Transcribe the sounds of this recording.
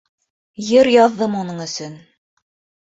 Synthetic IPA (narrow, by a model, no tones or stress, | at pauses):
jɤɾjɑðːɤmunɤɴɵ̆sɵn